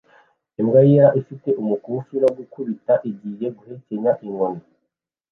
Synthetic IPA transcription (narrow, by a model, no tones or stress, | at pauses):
emɡajiaʔifite̞ʔumukufiɾoɡukuβitaʔiɟiːje̞ɡuheceɲaʔiŋona